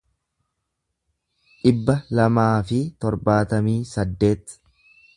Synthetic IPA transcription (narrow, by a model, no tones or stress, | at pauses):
ᶑɪbːɐlɐmaːfɪt̪ɔɾbaːt̪ɐmiːsɐd̪ːe̞ːt̪